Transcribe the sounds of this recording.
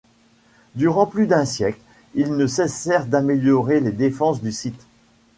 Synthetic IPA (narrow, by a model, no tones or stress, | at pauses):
d̪yʁɑ̃plyd̪ɛ̃sjɛkl | ilnəsɛsɛʁd̪ameljɔʁeled̪efɑ̃sd̪ysit̪